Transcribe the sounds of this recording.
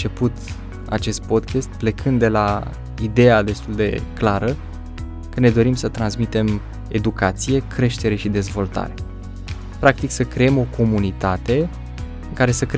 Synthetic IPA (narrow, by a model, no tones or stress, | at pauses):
t͡ʃe̞put̪ | a̰t͡ʃe̞st̪̚po̞d̪kʲest̪ple̞kʰɨnd̪e̞la | id̪e̞ad̪e̞st̪uld̪e̞̰klaɾə | kəne̞d̪o̞ɾimsət̪ɾansmit̪e̞m | e̞d̪ukat̪sije̞kʰɾe̞ʃt̪e̞ɾe̞ʃid̪e̞zvo̞lt̪a̰ɾe̞ | pɾak̚t̪iksəkɾeemo̞ko̞munit̪at̪e̞ | ɨŋkaɾe̞səkɾ